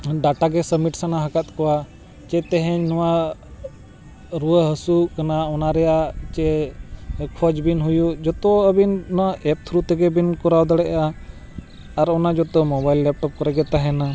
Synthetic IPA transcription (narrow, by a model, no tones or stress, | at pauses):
ɖaʈaɡɛsəmiʈsanaɦəkat̪̚kɔwa | t͡ʃɛt̪ɛɦɛɲnɔwa | ɾuəɦəsukanaɔnaɾɛjat͡ʃɛ | kʰɔd͡ʒbinɦujud͡ʒɔt̪ɔəbinnɔwaʔɛp̚t̪ʰɾut̪ɛɡɛbinkɔɾawd̪ɔɽɛʔaː | ɾɔnad͡ʒɔt̪ɔmɔbajlːɛp̚ʈɔp̚kɔɾɛɡɛt̪aɦɛna